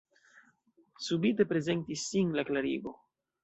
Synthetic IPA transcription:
subite̞pɾe̞ze̞ntisːinlaklaɾḭɡo̞

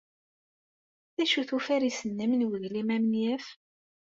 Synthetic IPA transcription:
θæʃuθufæɾisənːəmnwəðlimæmənjæf

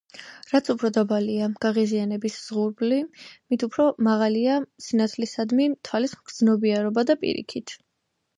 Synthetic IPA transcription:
ɾat̪sʰupʰɾɔd̪abaliaɡ̥aʁizianɛbisz̥ʁuɾblimit̪ʰupʰɾɔmaʁaliasinat̪sʰlisad̪mit̪ʰwalisɡ̥ɾd̪znɔbiaɾɔbad̪apʼḭɾḭkʰit̪ʰ

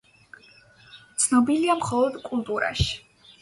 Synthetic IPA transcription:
t̪sʰnɔbiliamχɔlˠɔd̪kʼulˠt̪ʼuɾa̰ʃi̥

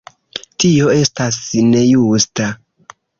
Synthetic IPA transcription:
tio̞e̞stasne̞justa

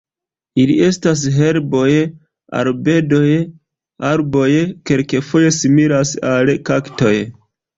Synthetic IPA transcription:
ilḭʔe̞stas̬ɦe̞ɾbo̞j | a̰lbe̞do̞j | aɾbo̞jke̞lkefo̞je̞simiɾasalkakto̞j

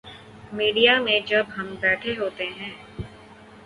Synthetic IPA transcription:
miːɖijamẽd͡ʒɐbɦɐmbɛːʈʰeɦoːt̪eɦɛ̃ː

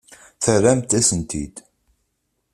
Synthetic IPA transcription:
θəɾæmt̪æsənt̪ḭd̪̥

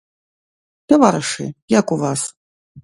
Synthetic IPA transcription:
t̪avaɾɨʂɨ̰jakuvas

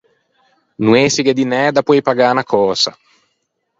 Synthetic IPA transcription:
nueːsiɡed̪inɛːd̪apɔjpaɡaːnakʰɔːsa̰

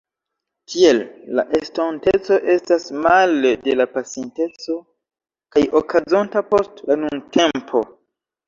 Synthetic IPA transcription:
kʰielːa̰ʔestonte̞t͡so̞ʔe̞stasmalde̞lapasjente̞t͡st͡so̞ | kajokʰazontapo̞stlanuŋte̞mpʰo̞

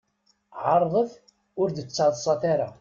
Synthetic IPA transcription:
ʕɑɾˤðˤəθ | ʊɾd̪ət͡sːaðˤsˤɑθaɾa̰

